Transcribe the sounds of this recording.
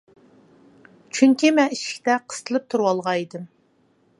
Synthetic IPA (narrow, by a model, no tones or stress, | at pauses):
t͡ʃʰyŋkʲimɛniʃi̥kʲt̪ɛqʰə̥st̪ʰəlˠɨp̚t̪ʰuɾwɑlˠʁɑid̪ɨm